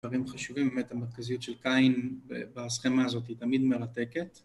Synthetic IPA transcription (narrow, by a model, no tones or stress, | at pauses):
vaʁimχaʃuvimbemet̪ameʁkazijutʃelkainbḛbasχemaːzo̞t̪̬it̪amid̪me̞ʁat̪e̞ket